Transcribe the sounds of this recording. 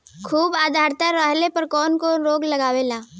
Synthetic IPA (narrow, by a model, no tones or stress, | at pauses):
kʰuːbaːd̪ʱaːɾt̪aɾəɦlepɐɾkɔːnkonɾoːɡlɐɡaːʋelaː